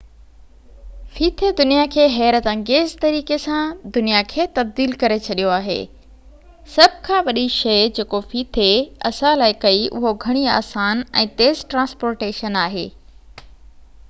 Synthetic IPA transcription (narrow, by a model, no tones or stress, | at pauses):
fiːt̪ʰed̪ʊnijakʰeːɦɛːɾət̪ɐ̃ŋɡeːzt̪ɐɾiːkesãd̪ʊnijakʰeːt̪ɐb̚d̪iːlkɐɾet͡ɕʰɐɗijoaːɦḛː | sɐbʱkʰãːʋɐɗiʃɐjd͡ʑeːkofiːt̪ʰeɐsãlaːɪkɐiʔʊ̰ɦoɡʱɐɽ̃ia̰ːsaːnɛ̰̃ːt̪eːzʈɾãːnspoːɾʈeːʃənaːɦḛː